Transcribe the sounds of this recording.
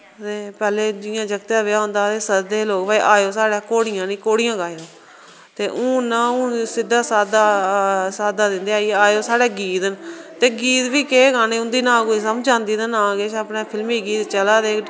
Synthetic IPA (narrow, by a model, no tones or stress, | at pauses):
t̪eːpɛːleːd͡ʒɪːjãːd͡ʒəkt̪jãːʋɪjaːɦʊ̃ːnd̪aːt̪eːsəɾd̪eːloːkʋaiːʔaːjoːsaːɽaːkoːɽɪjãːnĩːkoːɽɪjãːɡaːjoː | t̪eːʔũːnaːʊ̃ːsɪd̪ːaːsaːd̪asaːd̪aːd̪ɪnd̪eːaːiːaːjoːsaːɽeːɡiːt̪ənt̪eːɡiːt̪ʋiːkeːɡaːneːʊ̃nd̪iːnãːkoːiːs̬əmd͡ʒd͡ʒãːnd̪iːd̪ənãːɡeːt͡ʃaːpneːpʰɪlmiːɡiːt̪t͡ʃəlaːd̪eːk